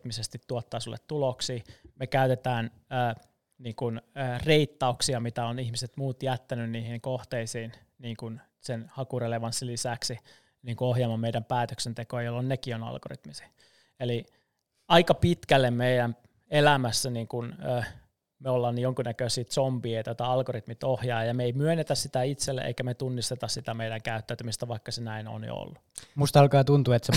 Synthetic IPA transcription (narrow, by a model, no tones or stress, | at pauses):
t̪misest̪it̪tuot̪ːɑːsulːḛt̪t̪uloksiːmekæyt̪et̪æːn | əː | niːŋkunəːreit̪ːɑuksiɑmit̪æonihmiset̪muːt̪jæt̪ːænynniːhiŋkoht̪eisiːn | niːŋkun | senhɑkureleʋɑnsːilisæksi | niːŋkuoɦjɑːmɑmeijdæmpæːt̪øksent̪ekojɑjolːonnekionɑ̰lɡ̥o̰rḭt̪misi̥ | eli | ɑikɑpit̪kælːemmeidæm | elæmæsːæniːŋkunøː | meolːɑːnːijoŋkunækøsiːt̪sompiːet̪ot̪ɑɑlɡorit̪mit̪ohjɑːjɑmeeimyønːet̪æssit̪æit̪selːḛʔḛikæmet̪unːist̪et̪ɑssit̪æmeiɾæŋkæyt̪ːæːt̪ymist̪æʋɑikːɑsenæino̰ːnjo̰o̰lːumust̪ɑlkɑːt̪unt̪uet̪se